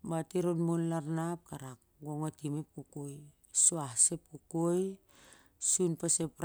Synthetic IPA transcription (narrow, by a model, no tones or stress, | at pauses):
batiɾonmonlaɾnap̚kaɾak̚ɡoŋatimep̚kukoj | suahsep̚kukoj | sunpasepɾ